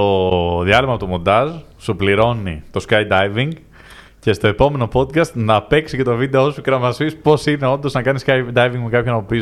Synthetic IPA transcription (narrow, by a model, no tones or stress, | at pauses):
toðiɐlimɐpot̪umo̞nd̪ɐz | supliɾo̞nit̪o̞skɐjd̪ɐjviŋɡ | ce̞st̪o̞e̞po̞me̞no̞po̞d̪̚kɐst̪nɐːpe̞ksice̞t̪o̞vid̪e̞o̞sukɾɐmɐsispo̞sine̞o̞nd̪o̞znɐkɐniskɐjd̪ɐjviŋɡmukɐpçonɐpopiz